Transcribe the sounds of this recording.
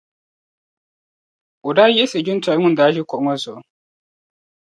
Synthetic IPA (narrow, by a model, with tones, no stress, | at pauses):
o˨daː˦jɛ˦se˨d͡ʒʊ˦n˦ta˨˦ŋʊ̃˦n˨daː˨˦ʒɪ˦kɔ˨ŋɔ˦zɔ˨